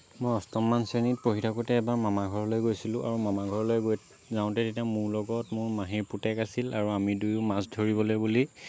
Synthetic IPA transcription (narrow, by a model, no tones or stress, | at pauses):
mɔjɔstɔmːansenit̚poɦitʰakutɛːbaɹmamaɡʱɔɹɔlojɡojsilʊ̃ʔaɹumamaɡʱɔɹɔlojɡojt | zaʊ̃tɛtetiamʊɹlɔɡɔtmʊɹmaɦiɹputɛkasilaɹuamidujʊmasdʱoɹibɔlojbuli